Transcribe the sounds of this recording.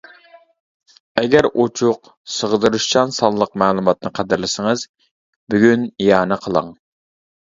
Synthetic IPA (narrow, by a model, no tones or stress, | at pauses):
ɛɡʲæɾot͡ʃʰʊq | səʁəd̪ɨɾuʃt͡ʃɑnsɑnˠlˠəq̚mæːlˠumɑt̪̚nɨqʰæd̪ɪɾlɪsɪŋəz | byɡʲynijɑːnɨqʰəlˠɑ̰ŋ